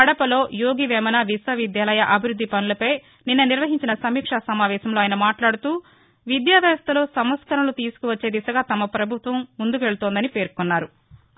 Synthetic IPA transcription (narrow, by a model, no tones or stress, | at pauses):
ɐɽɐpɐlo̞ːjoːɡiʋɛːmɐnaːʋisɐʋid̪jaːlɐjɐʔɐbʱiɾud̪ʱːipɐnulɐpɐj | ninːɐniɾʋɐɦiɲt͡ʃinɐsɐmiːkʂasɐmaːʋɛːsɐmloːjɐnɐmaːʈlaːɽut̪uː | ʋid̪jaːʋjaːɐst̪ʰɐlo̞ːsɐmʋɐt̪skɐɾɐnlut̪iːsu̥kuʋɐt͡ʃːe̞ːd̪isɐɡaːt̪ɐmɐpɾɐbʱut̪ʋɐmːund̪uk̬ʋe̞ɭut̪oːnd̪ɐnipe̞ːɾkunːaːɾu